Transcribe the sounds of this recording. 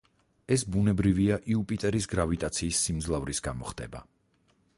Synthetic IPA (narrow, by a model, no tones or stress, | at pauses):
ɛsbunɛbɾiviaʔiupʼit̪ʼɛɾisɡɾavit̪ʼat̪sʰiːsːimd̪zlˠavɾisɡamɔχd̪ɛ̰ba̰